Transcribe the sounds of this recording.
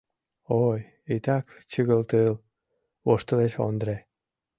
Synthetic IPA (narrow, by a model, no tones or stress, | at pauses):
oj | it̪ɑkt͡ɕəɣəlt̪ɨl | βoʃt̪əleʃo̰nd̪ɾe